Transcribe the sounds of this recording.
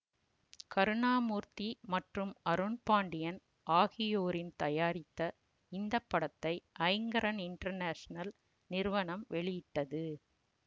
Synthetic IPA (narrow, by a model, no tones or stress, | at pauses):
kɐɾɯɳaːmuːɾt̪imɐʈrɯmɐɾɯɳpaːɳɖɪjɐn | ʔaːɣɪjoːɾɪnt̪ɐjaːɾɪt̪ːɐ | ɪnd̪ɐpːɐɽɐt̪ːɐɪʔɐɪŋɡɐɾɐnɪɳʈɐɾnaːʂɐnɐl | nɪɾʋɐɳɐmʋɛɭɪjɪʈːɐðɯ